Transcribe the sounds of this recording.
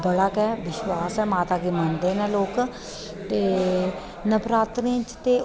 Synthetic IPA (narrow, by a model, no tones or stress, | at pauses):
bəɽakɛːʋɪʃwaːsɛːmaːt̪aːkiːmənd̪eːnɛ̃ːloːk | t̪eː | nəpɾaːt̪ɾĩt͡ʃt̪eː